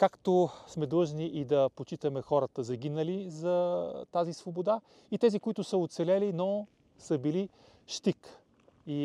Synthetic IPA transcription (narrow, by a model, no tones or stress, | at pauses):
kakt̪osmɛd̪lˠɤʒniʔid̪ɐpot͡ʃit̪əmɛxɔɾət̪əzɐɡʲinəlizɐt̪azisvobod̪a | it̪ɛzikoit̪ʊsəot̪sɛlɛlinɔ | səbili | ʃt̪ik | i